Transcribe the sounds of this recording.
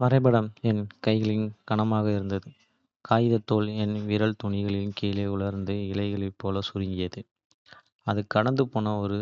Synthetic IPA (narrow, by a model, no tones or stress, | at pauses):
ʋɐɾɐɪbɐɽɐmɛnkɐɪɣɐɭɪnkɐɳɐmaːɣɐɪɾɯnd̪ɐðɯ | kaːjɪðɐt̪ːoːlɛnʋɪɾɐɭt̪ʊɳɪɣɐɭɪɯnkeːleːʊɭɐɾnd̪ɯɪlɐɪɣɐɭɐɪpːoːlɐsʊɾɪŋɡɪjɐðɯ | ɐðɯkːɐɽɐnd̪ɯpoːnɐɔɾɯ